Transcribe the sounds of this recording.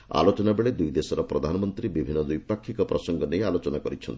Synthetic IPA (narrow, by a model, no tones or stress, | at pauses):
a̰lot͡ʃɔnabeɭed̪ujd̪esɔɾɔpɾɔd̪ʱanɔmɔnt̪ɾibibʱinːɔd̪ujpakʰːikɔpɾɔsɔŋɡɔnejalot͡ʃɔnakɔɾit͡ʃʰɔnt̪i̥